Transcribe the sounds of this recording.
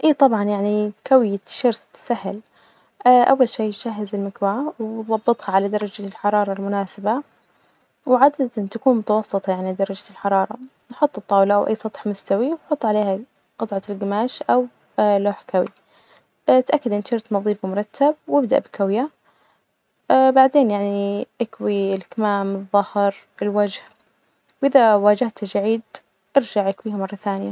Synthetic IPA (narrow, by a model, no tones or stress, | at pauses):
ʔiːt̪ˤɑbʕɑnjaʕnikawjaʃɑɾt̪sahl | ʔawːalʃeːʃaɦːɪzɪlmɪkwaʕawðˤɑbːɨt̪ˤhaʕalad̪ɑɾˤɑd͡ʒalħɑɾˤɑːɾˤɑlmʊnaːsɪba | wʕad̪ad̪ant̪akuːnmʊt̪awɑsˤːɨt̪ˤɑjaʕnid̪ɑɾˤɑd͡ʒalħɑɾˤɑːɾˤɑ | nħʊt̪ˤːɨt̪ˤːɑːwlaʔawʔa̰jːsˤɑt̪ˤħmʊst̪awiwħʊt̪ˤːʕaleːha | qɨt̪ˤʕɑlɡamaːʃʔaw | loːħkawḭ | t̪ʔakːad̪ʔɪnʃɪɾt̪nɑðˤiːfmʊɾˤɑt̪ːab̚wɪbd̪aʔbɪkawja | baʕd̪eːnjaʕniʔakwilkmaːmɨðˤːɑhɾ | ɪlwad͡ʒh | wʔɪðawaːd͡ʒɪht̪d͡ʒaʕiːd̪ | ʔɪɾd͡ʒaʕjɪkwiːhamɑrˤːɑθaːnɪja